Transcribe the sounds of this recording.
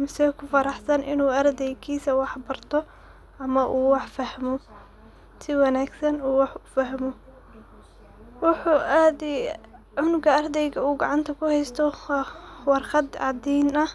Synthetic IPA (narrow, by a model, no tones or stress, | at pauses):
mɪsɛkʰʊfɑɾɑħsɐnʔɪnuːɐrd̪ɛjkʰiːsɐwɑħbɐrt̪ʰɔ | ʔɐmɐʔuːwɑħfɐhmɔ | sɪwɑnaːɡsɐnuːwɑħʊfɐɦmɔ | wɑħuːʔaːd̪ɪ | ʕʊnʊɡɐɐrd̪ɛjɡɐuːɡɑʕɑnt̪ʰɐkʰʊhɛjst̪ʰɔ | wɑrqɑd̪ʕɑd̪ɛjnɐ